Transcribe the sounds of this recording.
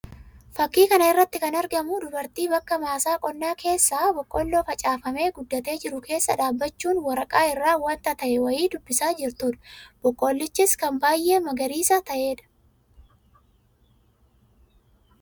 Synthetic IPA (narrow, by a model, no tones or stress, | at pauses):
fɐkːiːkɐnɐɪrːɐt̪ːɪkɐnɐɾɡɐmʊd̪ʊbɐɾt̪iːbɐkːɐmaːsaːkʼɔnːaːkʰe̞ːsːaːbɔkʼːo̞ːlːoːfɐt͡ʃʼaːfɐme̞ːɡʊd̪ːɐt̪e̞ːd͡ʒɪɾʊkʰe̞ːsːɐᶑaːbːɐt͡ʃːuːnwɐɾɐkʼaːɪrːaːwɐnt̪ɐt̪ɐʔɛwɐjiːd̪ʊbːɪsaːd͡ʒɪɾt̪uːᶑɐ̥b̥ɔkʼːo̞ːlːɪt͡ʃːɪskɐmbaːjʔe̞ːmɐɡɐɾiːsɐt̪ɐʔe̞ːᶑɐ̥